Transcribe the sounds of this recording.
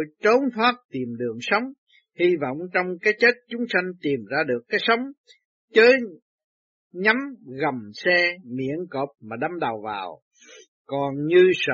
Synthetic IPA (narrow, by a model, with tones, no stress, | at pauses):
jt̪o˨˦nt̪ʰwaː˦˥t̚t̪i˨˩əmɗɨ˨˩əŋsə˨˦wŋ͡m | hi˧vɔ̰˧˨wŋ͡mt͡ɕɔ˧wŋ͡mkaː˨˦jt͡ɕe˦˥t̚t͡ɕʊ˨˦ŋ͡msa˧jŋ̟t̪i˨˩mzaː˧ɗɨ˨˩əkːaː˨˦jsə˨˦wŋ͡m | t͡ɕəː˨˦j | ɲa˨˦mɣə˨˩msɛ˧mḭ˧˥ənkoː˨˩p̚maː˨˩ɗa˨˧mɗa˨˩wva̰ː˨˩w | kɔ˨˩nɲɨ˧sə̰˧˨